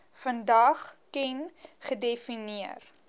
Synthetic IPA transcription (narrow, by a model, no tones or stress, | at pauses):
fəndɐχkɛnχədefiniər